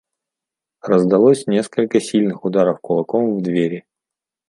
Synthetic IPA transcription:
rəzd̪ɐlˠosʲnʲe̞skəlʲkəsʲilʲnɨxʊd̪aɾəfkʊlˠɐkomvd̪vʲeɾʲɪ

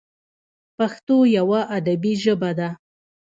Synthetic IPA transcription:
paxt̪ojawaʔad̪abiʒəbad̪a

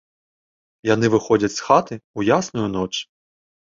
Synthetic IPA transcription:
janɪʋɪxɔd͡zʲɐt͡sʲsxat̪ɨujasnʊjunɔt͡ʃ

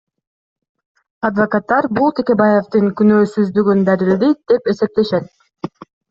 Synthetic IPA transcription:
ɑd̪vɐkat̪ːɑɾbulˠt̪ʰeke̞bajeft̪ɯŋkynøːsyzd̪yɡynd̪æɾild̪id̪̥e̞pe̞se̞p̚t̪e̞ʃet̪̚

